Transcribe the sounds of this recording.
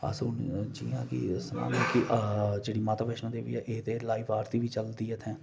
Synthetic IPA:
a̰sund͡ʒiːãkḭsəma̰ːnekiʔd͡ʒeːɽimaːt̪aːʋeʃmãd̪eːʋḭɛʔeɦt̪elaːiʋaːɾt̪ibʱit͡ʃəld̪iɛt̪ʰɛ̃ː

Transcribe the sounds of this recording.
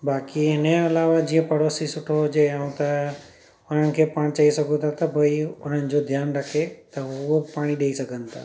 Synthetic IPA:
baːkiɪnẽɐlaːʋad͡ʒĩːẽpɐɽoːsisʊʈʰod͡ʒeaũt̪a | ʊn̤ənɪ̆kʰeːpaːɽ̃t͡ʃaːisɐɡõt̪at̪ɐbʱɐiʊn̤ənɪ̆d͡ʒod̪ʱjaːnɾɐkʰet̪ɐʊopaːɽ̃iɗeːisɐɡʱə̃nt̪a̰ː

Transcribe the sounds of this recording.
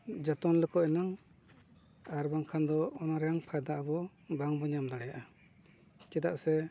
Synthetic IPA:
d͡ʒɔt̪ɔnlɯkɔɛnaŋ | aɾbaŋkʰand̪ɔːnaɾjaŋpʰajd̪aʔabɔ | baŋbɔɲamd̪ɔɽɛjaʔa | t͡ʃɛd̪aʔsɛ

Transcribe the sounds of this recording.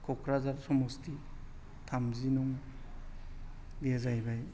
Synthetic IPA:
kʰɔkʰɾazaɾsɔmosti | tʰamzinuŋ | lezajbaj

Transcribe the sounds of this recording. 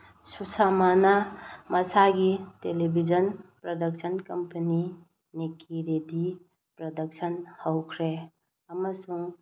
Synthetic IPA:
susamanamɐsaɡitelebʱizɐnpɾɔdɐk̚sʰɐnkɐmpɐni | nekiɾedi | pɾɔdɐk̚sʰɐnhɐwkʰɾe | ɐmɐsuŋ

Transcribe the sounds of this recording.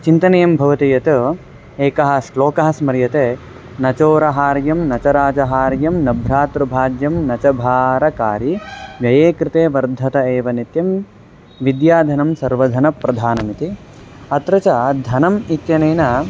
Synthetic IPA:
t͡ʃint̪ɐnɐjɐmbʱɐʋɐt̪ijɐt̪u | eːkɐɦɐ̆sloːkɐɦɐ̆smɐɾjɐt̪eː | nɐt͡ʃoːɾɐɦaːɾjɐmnɐt͡ʃɐɾaːd͡ʒɐɦaːɾjɐmnɐbʱɾaːt̪ɾɐbʱaːd͡ʒjɐmnɐt͡ʃɐbʱaːɾɐkaːɾiʋjɐjeːkɾɪt̪eːʋɐɾd̪ʱɐt̪ɐeːʋɐnit̪jɐm | ʋid̪jaːd̪ʱɐnɐmsɐɾʋɐd̪ʱɐnɐpɾɐd̪ʱaːnɐmit̪i | ɐt̪ɾɐt͡ʃɐd̪ʱɐnɐmit̪jɐneːnɐ

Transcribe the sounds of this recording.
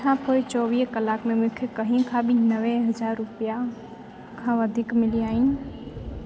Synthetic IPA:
ãpʰoit͡ʃɔːʋiːɦkəlaːkmẽmʊ̃kʰekəɦĩkʰãbʱinəʋeɦəd͡ʒaːɾːʊpija | kʰãʋəd̪ʱikmɪliaːɦɪnɪ

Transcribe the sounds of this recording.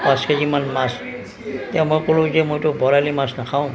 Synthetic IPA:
paskezimanmas | tɛ̃mojkolʊ̃zɛmojtʊbɔɹalimasnakʰaʊ̃

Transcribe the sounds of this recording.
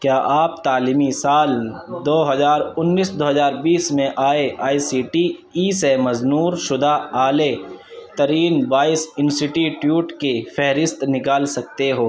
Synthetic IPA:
kjaːʔaːp̚t̪aːlimisaːld̪oːɦɐzaːɾʊnːiːsd̪oːɦɐzaːɾbiːsmẽʔaːeʔaːisiːʈi | iːsemɐznuːɾʃʊd̪aaːlet̪ɐɾiːnbaːɪsɪ̃nsʈɪʈjiʈjuːʈkefɛɦɾɪst̪nɪkaːlsɐk̚t̪eɦoː

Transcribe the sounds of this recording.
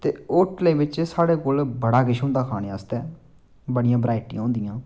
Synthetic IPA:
t̪eːoːʈleːʋɪt͡ʃsaːɽeːkoːlbəɽaːkɪʃɦõːnd̪aːkʰaːneːaːst̪ɛː | bəɽɪjãːbɾaːɪʈḭ̃ãːɦõːnd̪ɪijãː

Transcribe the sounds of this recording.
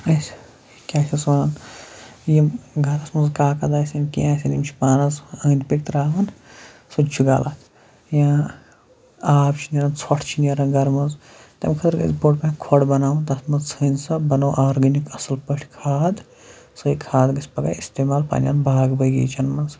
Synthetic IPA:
ɐsʲ | kʲaːt͡ʃʰisʋan | jimɡʱɐɾɐsmɐnzkaːkɐd̪aːsʲɐnkijãːsʲinimt͡ʃʰi̥paːnɐzɐːnʲpik̚t̪ɾaːʋɐn | sut͡ʃʰuɡa̰ːlaːt̪ | jã | aːbt͡ʃʰinʲɐɾɐnt͡sʰɔʈʰt͡ʃʰinɐɾɐnɡɐɾmɐnz | t̪ɐ̰mʲkʰɐt̪ɐɾɡɐ̰zboːʈpɐ̃kʰɔɽbɐnaːʋɐnt̪ɐsmɐnzt͡sʰɨnsɐbɐnowʔaːɾɡɐnikɐsɐlpəʈʰkʰaːd̪ | sɨikʰaːd̪ɡɐsʲpɐɡa̰ːist̪eːmaːlpa̰ːnʲja̰ːnbaːɡbɐjɡɐ̰ːt͡ʃʰɐnmɐnz

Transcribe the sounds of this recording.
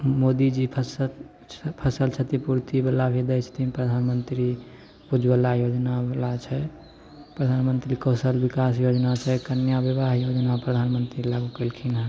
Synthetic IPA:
mod̪id͡ʒipʰəsə | pʰəsəlt͡ʃʰət̪ipuɾt̪ibəlabʱed̪ət͡ʃʰə̥t̪ipɾəd̪ʱanmənt̪ɾi | pud͡ʒbəlajod͡ʒnabelat͡ʃʰɛ | pɾəd̪ʱanmənt̪ɾikəsəlbikasjod͡ʒnat͡ʃʰɛkənjabeβaɦjod͡ʒnapɾəd̪ʱanmənt̪ɾilaɡukəlkʰinɦə

